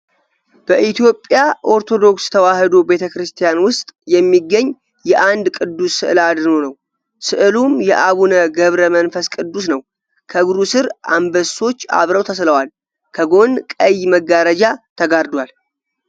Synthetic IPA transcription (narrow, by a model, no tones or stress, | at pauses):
b̥əʔit̪ʰjo̞pʼjaʔo̞ɾt̪ʰo̞d̪o̞kst̪ʰəwahɨd̪o̞be̞t̪ʰəkɾɨst̪ʰijanwʊst̪ʼjɛmːiɡːəɲː | jɛʔand̪kʼɨd̪ːusːɨʔɨlad̪ɾnonəw | sɨʔɨlumjɛʔaβunəɡəβɾəmənfəskʼɨd̪ːusnəw | kʰəɡuɾusɨɾʔa̰mbəso̞t͡ʃːa̰βɾəwt̪ʰəsləwal | kʰəɡo̞nkʼəjməɡːaɾəd͡ʒat̪ʰəɡaɾd̪wal